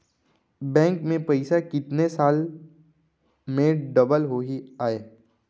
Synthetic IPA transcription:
bɛ̃ːŋkmẽpɐɪsakɪt̪nesaːl | mẽɖɐbəlɦoɦiaːeː

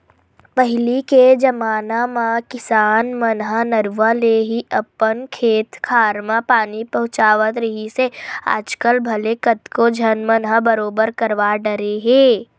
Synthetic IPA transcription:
pəɦɪliked͡ʒɐmaːnamãkɪsaːnmənɦənɐɾʋaleɦiʔɐpːənkʰeːt̪kʰaːɾmãpaːnipɐɦʊ̃t͡ʃaːʋət̪ɾɐɦisea̰ːd͡ʒkəlbʱɐlekət̪kod͡ʒʱənmənɦəbəɾoːbəɾkɐɾʋaɖəɾeɦẽː

